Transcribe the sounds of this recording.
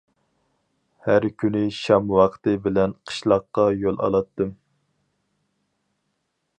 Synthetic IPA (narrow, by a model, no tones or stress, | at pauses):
hæɾkʲʰynɪʃɑmwɑqʰt̪ɨbɪlɛnqʰə̥ʃlˠɑqːɑjolˠɑ̰lˠɑt̪ːɨm